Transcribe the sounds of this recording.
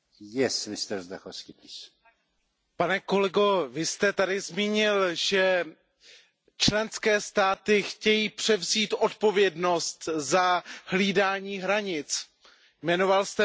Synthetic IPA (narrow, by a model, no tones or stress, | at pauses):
jɛsmɪst̪ɛɾzd̪a̰xofskipis | panɛko̞lɛɡovɪst̪ɛt̪adɪzmiːɲɪlʒ̥ɛ | t͡ʃlɛnskɛːst̪aːt̪ɪxcɛjiːpr̝̥ɛvziːt̪ʔo̞t̪po̞vjɛdno̞st̪zahliːdaːɲiːɦɾaɲɪt͡s | jmɛno̞valst̪ɛ